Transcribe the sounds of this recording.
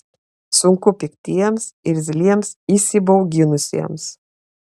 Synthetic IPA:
sʊŋkʊpʲɪkt̪ʲiɛms | ɪɾʲzʲlʲiɛmsisʲɪbɐʊɡʲɪnʊsʲḭɛms

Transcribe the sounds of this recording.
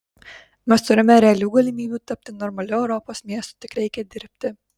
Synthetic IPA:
mʲɛst̪ʊɾʲɪmʲɛɾʲɛɐlʲuːɡɐlʲɪmʲiːbʲuːt̪ɐpʲt̪ʲɪnɔɾmɐlʲʊɛʊɾɔpoːsmʲiɛst̪ʊ̥ːt̪ʲɪkɾʲɛɪkʲɛd̪ʲɪɾʲpʲt̪ʲɪ

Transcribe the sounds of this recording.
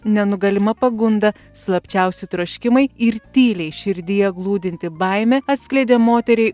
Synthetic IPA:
nʲɛnʊɡɐlʲɪmɐpɐɡʊnd̪ɐ | slˠɐpʲt͡ʃʲɛʊsʲɪt̪ɾoʃʲkʲɪmɐɪɪɾt̪ʲiːlʲɛɪʃʲɪɾʲd̪ʲɪjɛɡlˠuːd̪ʲɪnʲt̪ʲɪbɐɪmʲɛːɐt̪sʲklʲɛɪd̪ʲeːmoːt̪ʲɛɾʲɛɪ

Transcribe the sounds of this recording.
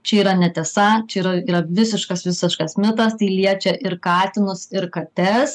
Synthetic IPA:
t͡ʃʲɛiːɾɐnʲɛt̪ʲɛsɐt͡ʃʲɛiːɾɐiːɾɐʋʲɪsʲɪʃkɐsʋʲɪsʲɪʃkɐsmʲɪt̪ɐst̪ɐɪlʲiɛt͡ʃʲɛʔɪɾkɑːt̪ʲɪnʊsɪɾkɐt̪ʲɛs

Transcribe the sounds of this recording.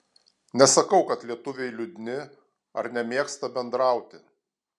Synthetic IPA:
nʲɛsɐkɐʊkɐt̪lʲiɛt̪ʊʋʲɛɪlʲʊd̪ʲɪnʲɪ | ɐ̰ɾnʲɛmʲeɛkst̪ɐbʲɛnd̪ɾɑˑʊt̪ʲɪ

